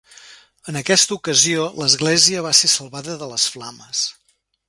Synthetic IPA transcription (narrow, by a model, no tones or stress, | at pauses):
ənəkɛst̪əukəzioləzɣleziəβ̞asesəlˠβaðəðələsflaməs